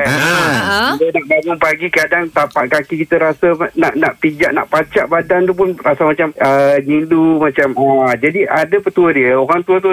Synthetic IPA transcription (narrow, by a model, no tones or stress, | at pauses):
ilənaʔbamʊnpaɡikadaŋt̪apaʔkakikit̪əɾasanaʔnaʔpid͡ʒaʔna̰ʔpat͡ʃaʔbadant̪up̬ʊnrasamat͡ʃaməɲindumat͡ʃamad͡ʒadiʔadapət̪uədiəoɣaŋt̪uat̪̬u